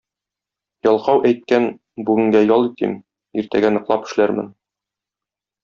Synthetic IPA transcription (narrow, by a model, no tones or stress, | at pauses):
jɒlˠqɑwʔæjt̪̚kæn | bʉɡɘ̆ŋɡæjɒlˠit̪ḭm | iɾt̪æ̰ɡænɤ̆qlˠɑpɘ̥̆ʃlæɾmɘ̰n